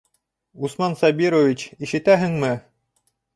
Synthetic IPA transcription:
usmɑnsɑbiɾovʲit͡ɕiʃɘ̆t̪æɦɘŋmɘ

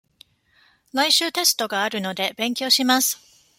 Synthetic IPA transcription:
ɾaiɕɨːt̪e̞sɨ̥t̪o̞ɡaːɾɯ̟no̞d̪e̞bẽ̞ŋkʲo̞ːɕimasɨ̥

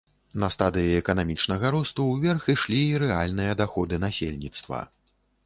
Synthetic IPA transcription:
nɐst̪ad̪ɨjiɛkɐnamʲit͡ʂnɐɣɐɾust̪uwvʲɛrxiʂlʲiːɾɛalʲnɨjɐd̪axɔd̪ɨnasʲḛlʲnʲit̪st̪vɐ̰

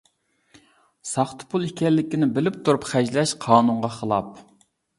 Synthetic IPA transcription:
sɑχt̪ʰɨ̥pʰulˠikʲɛlːɪkʲinɪbɪlɪpt̪ʰuɾupχæd͡ʒlɛʃqʰɑːnuɴʁɑχəlˠɑ̰p̚

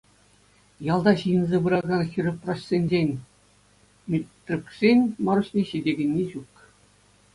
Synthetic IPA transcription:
jɑlˠd̪ɑɕɯjɤ̆nzʲeʋɯɾɑɡɑnxʲirʲɘ̆prɑɕsʲenʲd͡ʑenʲ | mʲet̪ʲrʲuksʲenʲmɑɾuɕnʲeɕidʲeɡʲɘ̆nʲːeʑuk

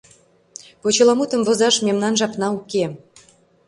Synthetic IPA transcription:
pot͡ɕɤlɑmut̪ə̆mvozɑʃmemnɑnʒɑpnɑuke

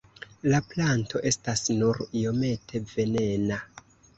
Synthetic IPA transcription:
laplanto̞ʔe̞stasnuɾijo̞me̞tʰe̞ve̞ne̞na

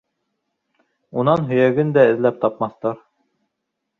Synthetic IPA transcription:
unɑnɦɵ̆jæɡɘnd̪æɘ̆ðlæp̚t̪ɑpmɑθt̪ɑɾ

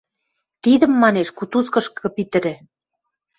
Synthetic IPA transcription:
t̪id̪ə̆mːɑneʃkut̪uskɤ̆ʃkɤ̆pit̪ə̆ɾɘ̆

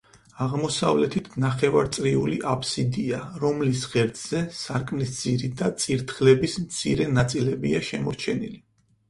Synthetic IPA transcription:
aʁmɔsavlɛt̪ʰit̪ʰnaχɛvaɾt̪sʼɾiuliʔapʰsid̪iaɾɔmlisʁɛɾt̪z̥ɛsaɾkʼmnisd̪z̥iɾid̪at̪sʼiɾt̪ʰχlɛbismt̪sʰḭɾɛnat̪sʼilɛbiaʃɛmɔɾt͡ʃʰɛnḭli

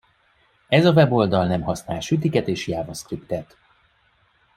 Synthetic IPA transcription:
ɛzɒvɛbo̞ld̪ɒlnɛmɦɒsnaːlʃyt̪̬ikɛt̪eːʃjaːvoskript̪ɛt̪

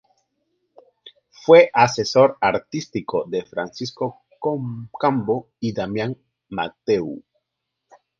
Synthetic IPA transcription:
fweʔaseso̞ɾaɾt̪ist̪ikoðe̞fɾansisko | kokambo | iðamjaŋ | ma̰t̪ew

